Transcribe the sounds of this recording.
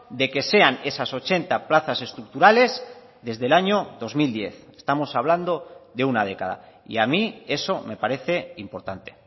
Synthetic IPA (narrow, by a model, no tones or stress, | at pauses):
d̪e̞ke̞se̞ane̞saso̞t͡ʃe̞nt̪aplaθase̞st̪ɾuk̚t̪uɾale̞z | ðe̞zðe̞laɲo̞ðo̞zmild̪je̞θe̥st̪amo̞saβ̞land̪o̞ðe̞unað̞e̞kað̞a̰ | ḭamie̞so̞me̞paɾe̞θe̞impo̞ɾt̪ant̪e